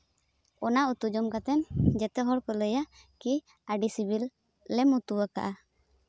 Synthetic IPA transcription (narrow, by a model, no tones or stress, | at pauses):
ɔnaut̪ud͡ʒɔmkat̪ɛnd͡ʒɛt̪ɛɦɔɽkɔləja | ki | aɖisibilː | ɛmut̪uwaka̰ʔa